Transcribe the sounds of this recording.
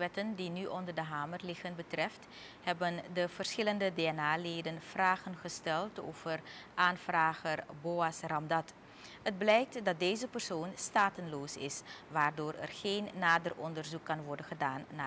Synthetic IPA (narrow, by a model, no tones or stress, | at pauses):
ʋɛtəndinyʔɔndərdəɦaːmərlɪχənbətrɛft | ɦɛbəndəv̥ərsχɪləndədeːɛnaːleːdənv̥raːχənχəstɛlˠto̰ːv̥ərʔaːnv̥raːχərboːɑsrɑmdɑt | həd̚blɛjk̚tdɑt̚deːzəpərsoːnstaːtənloːsɪ̰sʋaːrdoːrɛ̰rχeːnːaːdərʔɔndərzukːɑnʋɔɹdənχədaːnːa